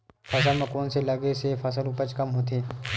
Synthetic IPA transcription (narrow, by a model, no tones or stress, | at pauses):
fʰɐsəlmẽkoːnselɐɡesefɐs̬əluːpət͡ʃkɐmɦoːt̪̬eː